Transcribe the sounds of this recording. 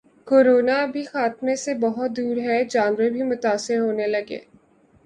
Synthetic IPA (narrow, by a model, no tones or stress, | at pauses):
koːɾoːnabʱixaːt̪mẽsebɐɦʊt̪̚d̪uːɾɦɛd͡ʒãːnʋəbʱimʊt̪aːsɪɾɦoːnelɐɡḛː